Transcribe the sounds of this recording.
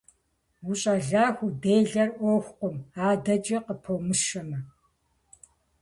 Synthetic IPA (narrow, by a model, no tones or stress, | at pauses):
wuɕʼɐɮaːxʷʊdeːɮɐrʔoːxʷqʷʊmaːdɐt͡ʃʼɐqəpʰowmɨʃɐmɐ